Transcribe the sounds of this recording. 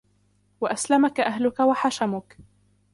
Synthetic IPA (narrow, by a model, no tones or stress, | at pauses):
waʔaslamakaʔaɦlʊkawaħaʃamʊk